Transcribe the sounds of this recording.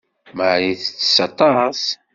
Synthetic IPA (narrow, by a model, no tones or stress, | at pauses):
maʕɾiθt͡sːsɑt̪ˤɑs